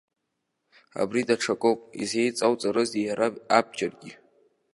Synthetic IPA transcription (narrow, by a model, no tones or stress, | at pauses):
a̰bridaʈ͡ʂʰakʼowpʼḭze̞jt͡sʼawt͡sʼaɾɨzijaɾaab̚d͡ʒarɡʲi